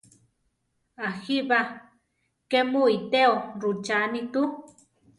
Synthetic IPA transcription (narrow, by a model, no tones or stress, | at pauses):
axiβa | kemuit̪eoɾut͡ʃanĩt̪u